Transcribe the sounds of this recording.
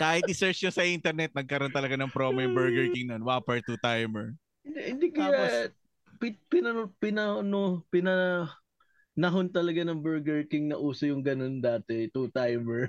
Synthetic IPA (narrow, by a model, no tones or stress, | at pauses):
kaːhɪt̪ʔɪsɛɹt͡ʃjosɐʔint̪ɛɾnɛt̪̚nɐɡ̚kɐɾont̪ɐlɐɡanɐŋpɾoːmɐjʊŋbɛɹɡɛɹkɪŋnɐonwaapɐɹt̪ut̪ajmɛɹ | ɪnd̪ɛhɪnd̪ikɐaa | pɪpɪnɐpɪnɐnopɪnɐ | nɐɦont̪ɐlɐɡanɐŋbɛɹɡɛɹkɪŋnɐʔuːsɐjʊŋɡɐno̞nd̪aːt̪ɛt̪ut̪ajmɛɹ